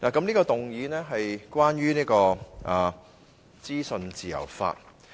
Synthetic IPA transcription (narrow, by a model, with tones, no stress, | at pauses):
naː˨˩kɐ˨˥mniː˥kɔː˧t̪ʊ˨ŋjiː˨˥nɛː˥ɦɐ˨jkwaː˥nɥyː˥niː˥kɔː˧ʔaː˨˧ | t͡siː˥sɵ˧nt͡siː˨˩jɐ̰˨˩wfa̰ː˧t̚